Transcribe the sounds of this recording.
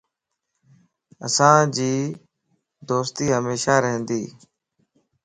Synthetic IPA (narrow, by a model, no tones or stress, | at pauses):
ə̰sãːd͡ʒiː | d̪oːst̪iːɦəmeːʃaːɾəɦə̃nd̪iː